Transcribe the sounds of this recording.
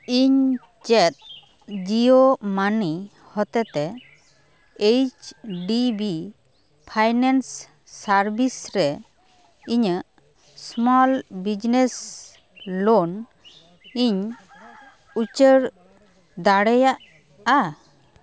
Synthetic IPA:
iɲ | t͡ʃɛt̪̚ | d͡ʒiomani | hɔt̪ɛt̪ɛ | ejt͡ʃɖibi | pʰajnansː | aɾbisɾɛ | iɲəʔ | smɔlbid͡ʒnes | lon | iɲ | ut͡ʃəɾ | d̪aɽɛjaʔ | a

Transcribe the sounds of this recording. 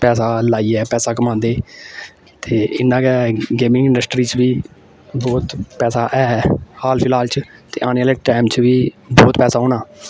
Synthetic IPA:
pɛːsaːlaːiːɛːpɛːsaːkəmãːnd̪eː | t̪eːɪnːãːkɛːɡeːmɪ̃ŋɪ̃ɳɖəsʈɾiːt͡ʃʋiː | bɔːt̪pɛːsaːʔɛːhaːlpʰɪlaːlt͡ʃt̪ḛːʔaːneːaːleːʈaːmt͡ʃʋiːbɔːt̪pɛːsaːɦõːnaː

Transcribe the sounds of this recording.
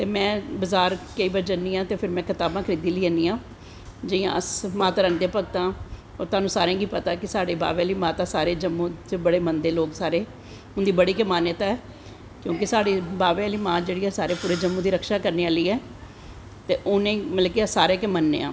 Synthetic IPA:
t̪eːmɛ̃ːbəzaːɾkəiːbəɾd͡ʒənːiːãːt̪eːpʰɪɾmɛ̃ːkʰɪt̪aːbãːkʰəɾiːd̪iːliːəniːãː | d͡ʒəiã̰ːəsmaːt̪aːɾənd̪ejaːpək̚t̪ãː | ɔ̰ːɾt̪ʊaːnũːsaːɾẽːɡiːpət̪aːkɪsaːɽeːba̰ːʋeːliːmãːt̪aːsaːɾeːd͡ʒəmːũːt̪ebəɽeːmənd̪eːloːksaːɾeː | ʊnd̪iːbəɽiːkəmaːnɪt̪aːɛː | kjõːk̬ɪsaːɽiːbaːʋeliːmãːd͡ʒeːɽiːɛːsaːɾeːpuːɾeːd͡ʒəmːũːd̪iːɾəkʃaːkəɾneːaːliːɛː | t̪eːʔʊnẽːmət̪ləkiasaːɾeːkemənːḛːã̰ː

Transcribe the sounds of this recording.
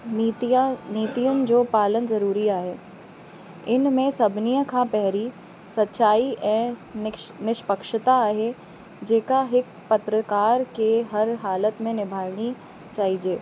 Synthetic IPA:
niːt̪ijʊn̆d͡ʑoːpaːlənzɐɾuːɾiaːɦeː | ɪnmẽsɐbʱnijəkʰãpɛɦɾi | sɐtːʃaːiʔɛ̃ː | nɪʃpəkʃɪt̪aːɦe | d͡ʒeːkaɦɪk | pɐt̪ɾəkaːɾkeɦɐɾɦaːlət̪mẽnɪbʱaːɾɽ̃i | t͡ʃaːɦid͡ʒeː

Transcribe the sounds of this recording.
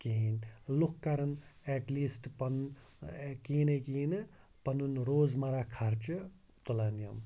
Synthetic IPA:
kiːnlukʰkaɾɐnɛʈliːsʈpɐn | kiːnekiːnɨ | pɐnunɾoːzmaɾakʰaɾt͡ʃɨ | t̪ulanjɐ̰m

